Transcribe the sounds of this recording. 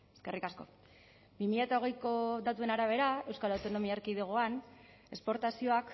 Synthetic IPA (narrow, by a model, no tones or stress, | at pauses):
eske̞rikasko̞̰ | bimiʎat̪ao̞ɣ̞e̞jko̞d̪at̪ue̞naɾaβ̞e̞ɾae̞wskalawt̪o̞no̞miaeɾkiðeɣ̞oan | e̞spo̞ɾt̪asio̞ak